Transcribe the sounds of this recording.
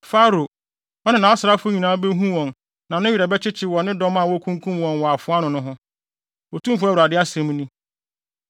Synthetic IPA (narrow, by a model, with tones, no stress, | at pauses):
fa˦ɾo˨ | ɔ˦nɪ̃˨nã˨˦ɔ˦sɾa˦fʊ˦ɲĩ˨nãː˦be˦ɦũ˦wɔ̃˨n | nã˨nʊ̃˦ɥi˨ɾa˨bɛ˦t͡ɕʰɪ˦t͡ɕʰɪ˦wɔ˨nɪ̃˦dɔ˦ma˨wɔ˦kʰũ˦ŋkʰũ˦mwɔ̃˨nwɔ˨a˨fʊ˦a˦nʊ̃˨nʊ̃˦ɦʊ̃˦ | wɔ˨tʰũ˦mfʊ˦æ˦wu˨ɾa˨dɪ˦a˦sɛ̃˨˦m˦nĩ˦